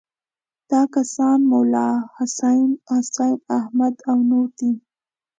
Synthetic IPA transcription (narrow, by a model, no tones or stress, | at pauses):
d̪̥ɑkasɑnmʊwlɑhʊsajnhʊsajnahmad̪awnoɾd̪i